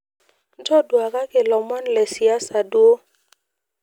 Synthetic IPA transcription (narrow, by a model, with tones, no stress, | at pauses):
n˦tɔ˦dwa˨ka˦kɪ˨lɔ˨ma˦nlɛ˨si˨a˦sa˨dwo˦